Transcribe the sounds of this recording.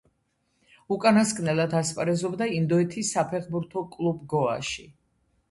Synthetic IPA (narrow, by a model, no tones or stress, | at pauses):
ukʼanaskʼnɛlˠad̪aspʼaɾɛzɔbd̪aind̪ɔɛt̪ʰisːapʰɛχbuɾt̪ʰɔkʼlˠubɡɔa̰ʃi